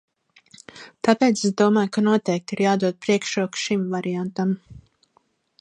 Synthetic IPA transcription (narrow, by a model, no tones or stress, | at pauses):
t̪apɛːt̪sɛsd̪uɔmaːjkanɔt̪ɛjk̚t̪iɾjaːd̪uɔd̪̚pɾiɛkʃɾuɔkʃimvaɾiant̪am